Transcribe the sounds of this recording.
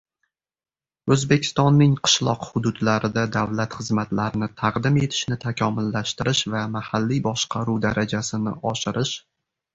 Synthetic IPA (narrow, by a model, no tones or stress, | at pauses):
ɵzbe̞kʲʰɪ̥st̪ɒnːɪŋqʰɨ̥ʃlˠɒqhʊd̪ʊd̪laɾɪd̪ad̪avlat̪χɨzmat̪laɾɪnɪt̪ʰaqd̪ɪme̞t̪ʰɪ̥ʃnɪt̪ʰakʲʰɒmʊlːaʃt̪ɪɾɪʃvamahalːibɒʃqʰɑɾud̪aɾʔad͡ʒasɪnɪɒʃɪɾɪʃ